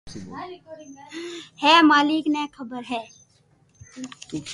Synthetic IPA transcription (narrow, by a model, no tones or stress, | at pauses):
hɛːmaːlɪknɛːkʰəbəɾɦɛː